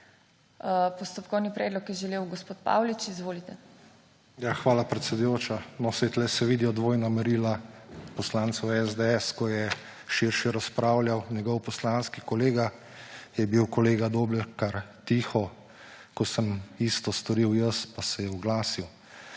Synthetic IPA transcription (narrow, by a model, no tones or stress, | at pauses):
pɔst̪ɔpkɔwnipɾɛːd̪lɔkjɛʒɛleːwɡospoːt̪̚pa̰ːwlit͡ʃizʋoːlit̪ɛ | jaxʋaːlapɾɛt̪sʲɛd̪ujoːt͡ʃanɔsɛt̪lɛsɛʋiːd̪iɔd̪ʋoːjnamɛɾiːlapɔslaːnt̪sɛwɛzd̪eɛskɔjɛ | ʃiɾʃiɾaspɾaːwlʲjawnʲjɛɡɔwpɔslanskikɔleːɡa | jɛbiwkɔleːɡad̪oːblɛkaɾt̪iːxɔ | kɔsəmist̪ɔst̪ɔɾiwjəspasɛjɛuɡlaːsiw